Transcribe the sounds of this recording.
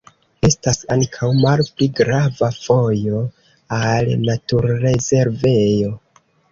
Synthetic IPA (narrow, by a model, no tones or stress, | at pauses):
e̞stasaŋkʰawmalpliɡɾavafo̞jo̞ | alnatuɾːe̞ze̞ɾve̞jo̞